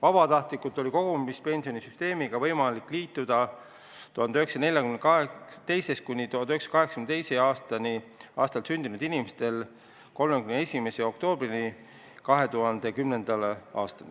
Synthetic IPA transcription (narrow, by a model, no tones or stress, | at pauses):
vɑb̥ɑt̪ɑht̪likːˑut̪ːˑo̞lʲiko̞ɡ̥omist̪̚pe̞nʲsio̞nisyst̪e̞ːmiɡ̥ɑvɤjmɑlikːˑliːt̪ːˑud̪̥ɑ | t̪uhɑnd̪yɦe̞ksɑne̞lʲjɑkymen̥kɑet̪e̞jse̞st̪kunʲːit̪uɑnyheksɑ̥kɑɦeksɑ̥kymnt̪e̞jseɑːst̪ɑniɑ̰ːst̪ɑlsynd̪̥inud̪inimest̪e̞l | ko̞lmekymnee̞sʲime̞se̞o̞kt̪o̞ːb̥rini | kɑɦe̞t̪uɦɑnd̪̥e̞kymne̞nd̪̥ɑleɑ̰ːst̪ɑne